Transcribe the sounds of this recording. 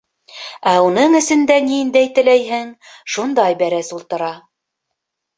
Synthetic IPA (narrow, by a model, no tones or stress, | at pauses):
æunɤɴɘ̆sɘ̆nd̪æniɘ̆nd̪æjt̪ɘ̆læjɦɘŋ | ʃund̪ɑjbæɾæsulˠt̪ɤ̆ɾɑ